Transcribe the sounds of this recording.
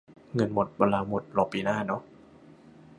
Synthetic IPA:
ŋɤ˧nmo˨˩t̪̚bɔ˧nlaː˧mo˨˩t̪̚lɔː˧˩pːiː˧naː˥˩nɔ˦˥

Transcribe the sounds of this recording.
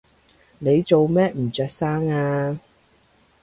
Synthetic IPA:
ne˨˧jt͡so˨wmɛː˥m̩ː˨˩t͡sœː˧k̚saː˥ŋaː˧

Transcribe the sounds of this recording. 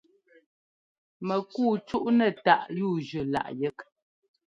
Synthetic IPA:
mə˨kuː˦˨t͡ʃu˦ʔnɛ˦˨ta˦˨ʔjuː˦˨d͡ʒʉ˨la̰˦˨ʔjɛ˦k

